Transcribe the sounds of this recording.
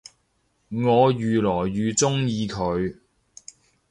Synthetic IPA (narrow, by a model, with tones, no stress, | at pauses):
ŋɔː˨˧jyː˨lɔː˨˩jːyː˨˧t͡sʊ˥ŋjiː˧kʰɵ˨˧ɥ